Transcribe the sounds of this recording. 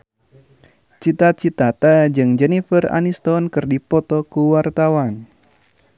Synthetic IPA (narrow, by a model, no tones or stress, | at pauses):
t͡ʃit̪at͡ʃit̪at̪ad͡ʒɨŋd͡ʒɛnifəra̰nist̪ɔnkɨrdipɔt̪ɔkuwart̪awan